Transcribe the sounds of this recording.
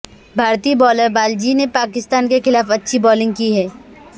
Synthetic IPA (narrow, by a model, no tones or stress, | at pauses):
bʱaːɾt̪iːbɔːləɾbaːld͡ʒinepaːkɪst̪aːnkexɪlaːfɐtːʃʰibɔːlɪ̃ŋɡ̚kiɦɛː